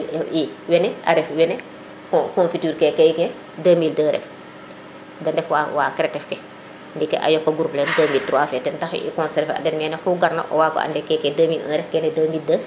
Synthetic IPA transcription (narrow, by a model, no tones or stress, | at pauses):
iwɛnɛʔa̰ɾɛfwɛnɛ | kkɔnfityːɾkɛkɛkɛ | dəːmiːldəɾɛ̰f | dɐndɛfwawaːkɾɛtɛfkɛ | ndikːɛ̰ʔa̰jɔkːɐɡuɾplɛdəːmiːltɾwaːfɛtɛntɐxḭkɔnsɛɾfeɐ̰dɛnmɛːnɛxuɡɐɾnɐ̰ʔɔ̰waːkɔ̰ʔa̰ndɛkɛːkɛdɐːmiːlə̰nɾɛfkɛːnɛdəːmiːldə